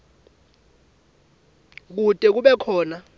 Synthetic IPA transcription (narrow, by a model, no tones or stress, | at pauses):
k̬utʼɛk̬uɓɛkʰɔːna